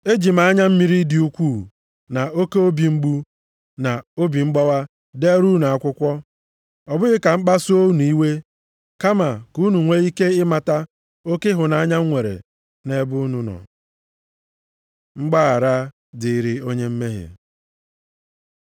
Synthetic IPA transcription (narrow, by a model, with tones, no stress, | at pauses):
e˦d͡ʒi˨ma˨a˦ɲa˦m̩˦mi˦ɾi˦di˨˦u˦kʷu˦˨ | na˨o˦ke˦o˦bi˨ŋ͡m̩˦ɡ͡bu˦ | na˨o˦bi˨ŋ͡m̩˦ɡ͡bɔ˦wa˦ | de˦ɾu˦na˨a˨kʷʊ˦kʷɔ˦ | ɔ˨bʊ˦ɣɪ˦ka˨ŋ͡m̩˦k͡pa˦so˦n˨i˦we˦ | ka˦ma˨ku˦nu˨ŋʷe˦i˦ke˦ɪ˦ma˨ta˦ | o˦ke˦ɦʊ˨na˨a˦ɲa˦ŋʷe˨ɾḛ˨ | ne˦bʊ˦nu˦nɔ̰˨ | ŋ͡m̩˦ɡ͡ba˦a˨ɾa˦ | dɪ˨ɾi˨o˦ɲe˦m̩˦me˦ɦḛ˨